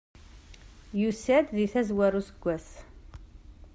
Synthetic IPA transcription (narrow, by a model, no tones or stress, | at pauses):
jusæd̪ðiθæzwæɾusəɡʷːæs